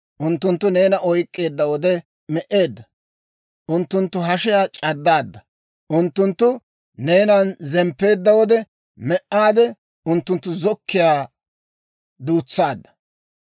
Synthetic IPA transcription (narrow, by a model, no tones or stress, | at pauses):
ʔʊnt̪ːʊnt̪ːʊne̞ːnɐʔɔjkʼːe̞ːd̪ːɐwɔd̪ɛ | mɛʔe̞ːd̪ːɐ | ʔʊnt̪ːʊnt̪ːʊɦɐʃɪjaːt͡ʃʼɐd̪ːaːd̪ːɐ | ʔʊnt̪ːʊnt̪ːʊ | ne̞ːnɐnzɛmpːe̞ːd̪ːɐwɔd̪ɛ | mɛʔːaːd̪ɛ | ʊnt̪ːʊnt̪ːʊzɔkʰːɪjaː | d̪uːt͡sːaːd̪ːɐ̥